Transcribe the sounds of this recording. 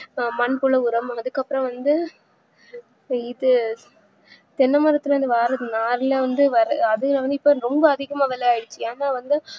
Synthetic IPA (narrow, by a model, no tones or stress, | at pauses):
mɐnpʊɭɐʊɾɐmɐɐðɯkːɐpːɯɾɐ̃ʋɐnd̪ɯ | ɪðɯ | t̪ɛnːɐmɐɾɐt̪ːɪlɐʋɐnd̪ɯʋaːɾɐðɯnaːɾɪlɐʋɐnd̪ɯʋɐɾɐɐðɯlɐʋɐnd̪ɯɪpːoɾɔmbɐɐðɪɣɐmaːʋɛlɐjaːɪɽɯt͡ʃːɯaːnaːʋɐnd̪ɯ